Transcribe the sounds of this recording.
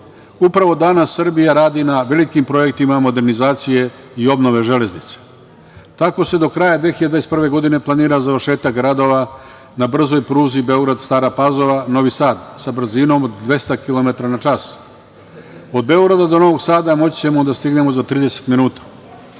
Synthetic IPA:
upɾaʋo̞d̪anasːɨr̩bijaɾaːd̪inaʋe̞likimpɾo̞je̞k̚t̪imamo̞d̪e̞ɾnizaːt̪sije̞ | io̞bnoʋe̞ʒe̞le̞znit̪se̥ | t̪ako̞se̞d̪o̞kɾajad̪ʋexiad̪vaesprʋe̞ɡo̞d̪ine̞plˠaniːɾazaʋr̩ʃe̞ːt̪akɡɾad̪o̞ʋa | nabr̩zo̞jpɾuːzibe̞o̞ɡɾad̪st̪aːɾapazo̞ʋano̞ʋisaːd̪sabr̩zino̞mod̪ːʋe̞st̪akilo̞met̪ɾanat͡ʃas | o̞d̪̚be̞o̞ɡɾad̪ad̪o̞no̞ʋo̞ɡsaːd̪amo̞t͡ɕit͡ɕe̞mo̞d̪ast̪iɡne̞mo̞zat̪ɾiːd̪ese̥t̪minuːt̪ḁ

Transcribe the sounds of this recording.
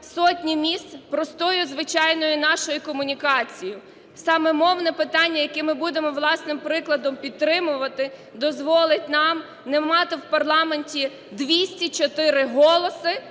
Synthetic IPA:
sɔtʲnʲimʲist̪pɾɔst̪ɔjʊzʋɪt͡ʃɑjnɔjʊnɑʃɔjʊkɔmʊnʲikɑt͡sʲijʊ | sɑmɛmɔwnɛpɪt̪ɑnʲːɐjɐkɛmɪbud̪emɔʋlˠɑsnɪmpɾɪklˠɐd̪ɔmpʲit̪̚ːɾɪmʊʋɐt̪ɪd̪ɔzʋɔlˠɪt̚ʲnɑm | nɛmɑt̪ɪwpɐrlˠɑmenʲtʲi | d̪ʋʲisʲtʲit͡ʃɔt̪ɪɾɪɦɔlˠɔsɪ

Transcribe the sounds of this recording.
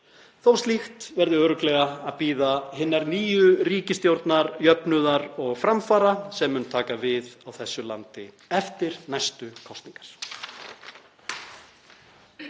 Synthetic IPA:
θowst̪lixt̪vɛɾðɪœːɾʏklɛɣaaðpiːðaɦɪnːaɾniːjʏriːcɪst̪jowɾt̪naɾjœpnʏðaɾɔɣfɾamfaːɾasɛmːʏnt̪ʰaːkavɪðawθɛsːʏla̰nt̪ɪ | ɛft̪ɪɾ̥najst̪ʏkʰɔst̪niŋkḁɾ̥

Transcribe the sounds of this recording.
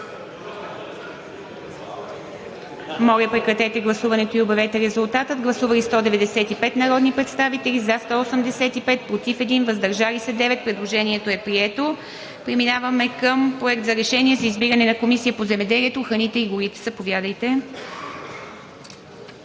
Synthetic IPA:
mɔlʲəpɾɛkɾɐt̪ɛt̪ɛɡlˠɐsuvɐnɛt̪oiobɐvɛt̪ɛɾɛzulˠt̪at̪əd̪ɡlˠɐsuvɐlist̪ɔd̪ɛvɛd̪ɛsɛt̪ipɛt̪nɐɾɔd̪nipɾɛt̪st̪avit̪ɛlʲizast̪ɔosəmd̪ɛsɛt̪ipɛt̪̚pɾot̪ifɛd̪invɐzd̪ɐɾʒalisɛd̪ɛvɛt̪̚pɾɛd̪lˠoʒɛniɛt̪oɛpɾiɛt̪o | pɾɛminavɐmɛkəmpɾoɛk̚t̪zɐɾɛʃɛniɛzɐizbiɡənɛnɐkomisijəpozɛmɛd̪ɛliɛt̪oxɾɐnit̪ɛiɡʊɾit̪ɛ̥zɐpovʲjad̪əjt̪ɛ

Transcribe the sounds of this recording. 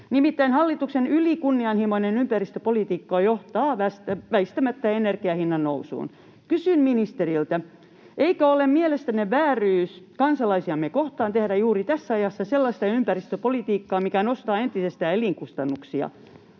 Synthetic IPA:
nimit̪ːæinhɑlːit̪uksenylikunːiɑnhimoinenympærist̪øpolit̪iːkːɑjoht̪ɑːʋæst̪æʋæist̪æmæt̪ːæenerkiɑhinːɑnnousṵːn | kysymminist̪erilt̪æ | ʔeikæolemmielest̪æneʋæːryːskɑnsɑlɑisiɑmːekoht̪ɑːnt̪ehdæjuːrit̪æsːæɑjɑsːɑselːɑst̪ɑympærist̪øpolit̪iːkːɑːmikænost̪ɑːent̪isest̪æːeliŋkust̪ɑnːuksiɑ̰

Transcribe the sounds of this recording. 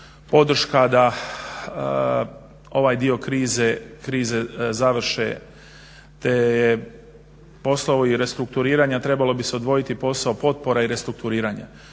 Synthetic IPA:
po̞d̪r̩ʃkad̪a | o̞ʋaːjd̪io̞kɾiːzekɾiːze̞zaʋr̩ɾ̩ʃḛ | t̪eje | po̞slaoiɾe̞st̪ɾuk̚t̪uɾiːɾaːɲat̪ɾe̞balo̞bise̞od̪ʋo̞jit̪ipo̞saopo̞t̪̚po̞ɾaiɾe̞st̪ɾuk̚t̪uɾiːɾaːɲa̰

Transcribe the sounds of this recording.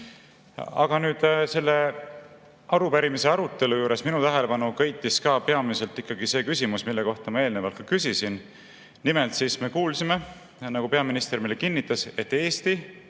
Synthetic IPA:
ɑ̰ɡ̥ɑnyːd̪̥se̞lːe̞ | ɑɾupæɾimiseɑɾut̪ːˑe̞lujuːɾe̞sminut̪æɦele̞pɑnukɤ̞jt̪ːˑiskɑːpe̞ɑmise̞lt̪ːˑikːɑɡ̥ise̞ːkysʲimusmilːe̞ko̞ht̪ɑmɑe̞ːlnevɑlkːɑkysisin | nimelt̪siːsme̞kuːlsime̞ | nɑɡ̥upe̞ɑminist̪ermilekinːit̪ːˑɑse̞t̪ːe̞ːst̪i

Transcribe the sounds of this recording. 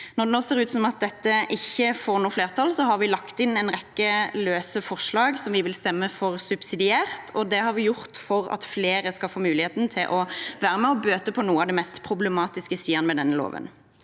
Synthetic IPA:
nɔʁd̪ɛnoːseːɾʉːt̪sɔmɑt̪̚d̪ɛt̪ːəʔɪçːəfoːɾnuːfleːʁt̪ʰɑlsɔɦɑɾʋɪlɑkt̪ɪnɛnʁɛkːəløːsəfɔʁʂlɑːɡsɔmʋɪʋɪlst̪ɛmːəfɔʁsʉbsɪd̪ɪæːʁt̪ʰɔd̪ɛhɑɾʋɪjʊɾt̪fɔɾɑ̰t̪fleːɾəskɑlfoːmʉːlɪheːt̪nt̪ʰɪlʔɔʋæːɾəmɛɔbøːt̪əpʰɔnuːɑʋd̪ɛmɛst̪pʰɾʊblɛmɑːt̪ɪskəsiːɑnəmɛd̪ɛnːəlo̰ːʋə̰n

